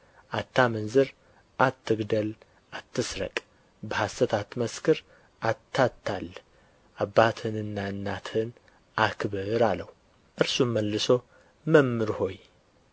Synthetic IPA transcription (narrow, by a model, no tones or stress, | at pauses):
ʔat̪ʰːamɨnzɨɾ | ʔat̪ʰːɨɡd̪əl | ʔat̪ːɨsɾə̰kʼ | bəhasət̪ʰat̪ːməskʰɨɾ | ʔat̪ʰːat̪ʰːal | ʔabːat̪ʰɨnɨnːaɨnːat̪ʰhɨn | ʔakʰβɨɾaləhu | ʔɨɾsumməlːɨso̞ | məmːɨɾho̞j